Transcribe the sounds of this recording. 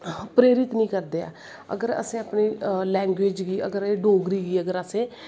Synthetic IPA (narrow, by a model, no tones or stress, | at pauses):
pɾeːɾɪt̪nĩːkəɾd̪eːa̰ː | ə̰ɡəɾə̰sẽːaːpɳiːlɛːŋɡʋeːd͡ʒɡiːəɡəɾeːɖoːɡɾiːɡiːəɡəɾəsẽː